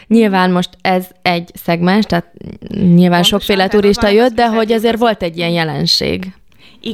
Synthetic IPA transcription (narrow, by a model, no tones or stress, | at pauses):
ɲilvaːnmo̞ʃt̪ɛzɛɟsɛɡmɛnʃt̪aːt̪̚ɲilvaːnʃo̞kfeːlɛt̪uɾiʃt̪ɒjød̪d̪ɛɦo̞ɟɛzeːrʋo̞lt̪ɛɟːijɛnjɛlɛnʃḛːɡ